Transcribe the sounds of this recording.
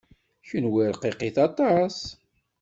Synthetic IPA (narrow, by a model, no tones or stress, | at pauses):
çənwiɾqiqiθɑt̪ˤɑs